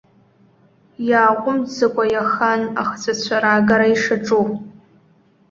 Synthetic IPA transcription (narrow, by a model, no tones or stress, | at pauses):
jaːqʷʊmzɨkʷʼajaxanaχt͡sʰʷʼat͡ɕʷʰaɾaːɡaɾaiʂaʈ͡ʂʼu